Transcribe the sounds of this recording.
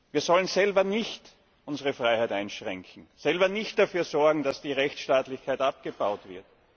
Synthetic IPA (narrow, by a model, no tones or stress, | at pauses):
viːɐzɔlənzɛlbɐnɪçt | ʔʊnzəʁəfʁaɪhaɪtaɪnʃʁɛŋkʰŋ̩sɛlbɐnɪçt̚d̥afyːɐzɔɐɡŋ̩d̥asd̥iːʁɛçʃtaːtlɪçkʰaɪtʔap̚ɡ̥əbaʊtv̥ɪɐt